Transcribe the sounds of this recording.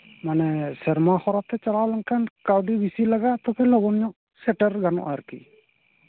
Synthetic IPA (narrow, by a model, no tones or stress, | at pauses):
manɛsɛɾmaxɔɾat̪ɛt͡ʃalalaŋkʰankawɖibisilaɡaʔt̪ɔpʰɛlɔɡɔnɲɔʔ | sɛʈɛɾɡanɔ̰ʔaɾkḭ